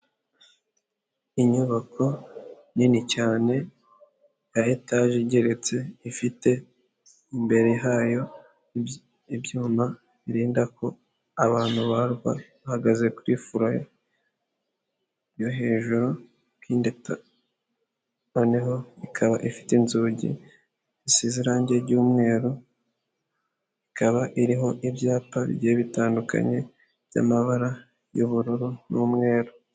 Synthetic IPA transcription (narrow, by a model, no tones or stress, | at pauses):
iɲuβakʰo̞ | ninicaːne̞ | jajetaʒeɟe̞ɾe̞t͡se̞ifite̞ | imbe̞ɾeɦajo̞ | ibjuːma | βiɾiːndakʰo̞ | aβaːn̥huβaɾɡwa̰βahaɡaze̞kuɾifuɾajo | jo̞ɦe̞ːʒuɾo | kiːndeta | oneɦo̞ikʰaβaʔifi̥tinzuːɟḭ | isiziɾaɲɟeɾɟuːmŋe̞ːɾo | ikʰaβaʔiɾiɦo̞ʔibjaːpaβḭɟeːβitaːndukʰa̰ɲe̞ | βja̰maβaɾa | juβuɾuɾunuːmŋe̞ːɾo